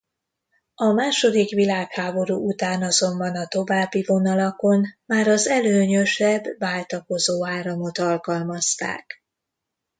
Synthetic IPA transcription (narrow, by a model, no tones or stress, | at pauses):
ɒmaːʃo̞d̪ikʋilaːkhaːbo̞ɾuːut̪aːnɒzo̞mbɒnɒt̪o̞vaːbːivo̞nɒlɒko̞nmaːɾɒzɛløːɲøʃɛbːaːlt̪ɒko̞zoːaːɾɒmo̞t̪ɒlkɒlmɒst̪a̰ːk